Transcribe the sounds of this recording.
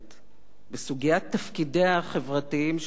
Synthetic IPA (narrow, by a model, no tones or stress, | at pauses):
t | besuɡijat̪ːafkideaχevʁatiimʃ